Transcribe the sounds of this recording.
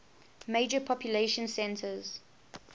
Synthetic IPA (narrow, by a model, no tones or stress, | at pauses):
med͡ʒəpʰɔpʰjuleɪʃə̃nsɛ̃ntʰəz̥